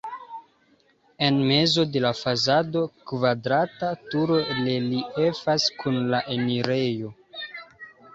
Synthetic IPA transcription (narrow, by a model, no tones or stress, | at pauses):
e̞nme̞zo̞de̞lafazado̞kvadɾatatuɾo̞leliefaskʰunlaʔeniɾe̞jo̞